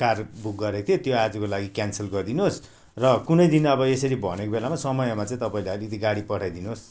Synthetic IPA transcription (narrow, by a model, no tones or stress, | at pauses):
karbuk̚ɡʌɾekt̪ʰjot̪joad͡zukolaɡikjansʌlɡʌrd̪inuɦos | rʌkunʌjd̪inʌbʌesʌɾibʱʌ̰nekobelamasʌmʌjʌmat͡sãĩt̪ʌpaĩleʌlikʌt̪iɡaɽipʌʈʰajd̪inɦos